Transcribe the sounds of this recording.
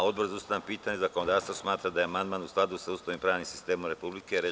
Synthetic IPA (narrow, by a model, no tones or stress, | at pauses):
o̞d̪̚boɾzaust̪anampiːt̪aɲezako̞nod̪aːɾst̪vosmaːt̪ɾad̪ajeamand̪maːnusklˠad̪usaust̪oʋimpɾaːʋnimsi̥st̪e̞ːmomɾe̞publikeɾe